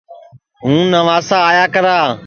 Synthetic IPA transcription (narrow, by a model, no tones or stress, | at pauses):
ɦũːnəʋaːsaːjaːkəɾaː